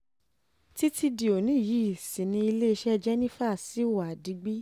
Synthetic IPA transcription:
ti˦ti˧di˨o˨nĩ˨˦˨ji˨˦i˨sĩ˨nĩ˧i˧le˦i˧ʃɛ˦˧d͡ʒɛ˦nĩ˦fa˦˨si˨˦˨wa˨di˧˦ɡ͡bi˦

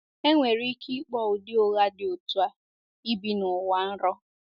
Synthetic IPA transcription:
e˦ŋʷe˨ɾi˦kʰi˦k͡pɔ˦˨wʊ˨dɪ˦o˨ɣa˦dɪ˨o˨tu˦a˦ | i˦bi˦nʊ˨wa˦n̩˦ɾɔ˦

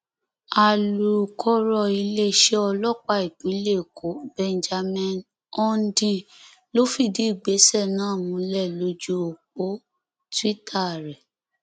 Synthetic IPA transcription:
a˨lu˨kʰɔ˦ɾɔ˧˨i˧le˦˨ʃe˦ɔ˧lɔ˦˨k͡pa˧˨i˨ɡ͡bĩ˨˦le˦˨kʰo˨˦bɛ̃˧nd͡ʒa˧mɛ̃˦˨n | ɔ˧n˦dĩ˧ | lo˦fi˦˨di˨˦i˦˨ɡ͡be˨˦sɛ˦˨nãː˦˨mũ˨˧˦lɛ˦˨lo˧˦d͡ʒo˧˦o˨k͡po˦ | ti˦tʰa˦˨ɾɛ˨

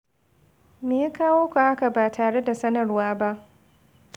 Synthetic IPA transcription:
meː˨ja˦kaː˦woː˦ka˨ʔa˦ka˨baː˨tʰaː˨ɽe˦da˨sɐ˦nɐ˨rwaː˦ba˦ʔ

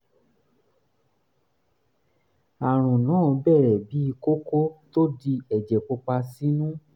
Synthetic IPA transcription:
a˨ɾ̃ũ˨nã˨˦˨bɛ˦˨ɾɛ˨bi˨˦i˧ko˦ko˦to˦di˧ɛ˨d͡ʒɛ˨k͡po˧k͡pa˧si˦nũ˦

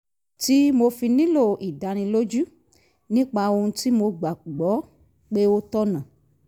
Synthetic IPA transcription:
ti˦mo˧fi˧nĩ˦lo˨ʔi˨da˨nĩ˧lo˦d͡ʒu˦ | nĩ˦k͡pa˧o˧ũ˧ti˦mo˧ɡ͡ba˨ɡ͡bɔ˨˦ | k͡pe˦wo˦tɔ˦nã˨

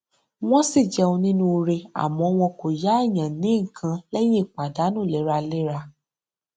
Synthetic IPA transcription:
w̃ɔ̃˦si˦˨d͡ʒɛ˧õ˧nĩ˦nũ˧˦˧ɾe˧a̰˨mɔ̃˧˦˧w̃ɔ̃˧ko˨ja˨˦ɛ˦˨j̃ã˨nĩ˨˦ŋ̩˨kʰã˧lɛ˦jẽ˦˨k͡pa˨da˨˦nũ˦˨lɛ˨˦ɾa˧le˦ɾa˧

